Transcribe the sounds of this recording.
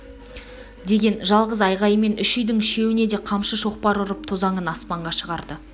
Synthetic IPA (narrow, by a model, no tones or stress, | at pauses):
d̪e̞ɡʲe̞nʒɑlˠʁəzɑjʁɑjəme̞nʏʃʏjd̪ɪŋʃe̞wɪne̞d̪e̞qʰɑmʃəʃo̞q̚pɑɾʊɾəp̚t̪ʰozɑɴənɑspɑɴʁɑʃəʁɑɾd̪ə